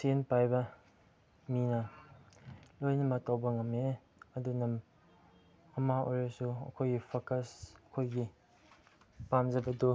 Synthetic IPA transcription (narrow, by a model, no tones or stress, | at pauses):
senpajbɐ | minɐ | lojnɐmɐk̚tawbɐŋɐme | ɐdunɐm | ɐmao̰jɾɐsuɐ̰kʰojɡipʰokɐsɐkʰojɡi | pamzɐbɐdu